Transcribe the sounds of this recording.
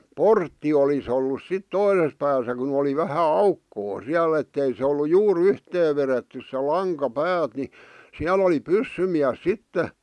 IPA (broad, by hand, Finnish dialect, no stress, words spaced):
portːi olis olːus sit toises pæːsæ kun oli ʋæhæ ɑukːoː siæl etːei se olːu juːr yhteː ʋeretːy se lɑŋkɑ pæːt ni siæl oli pysːymiæs sitːe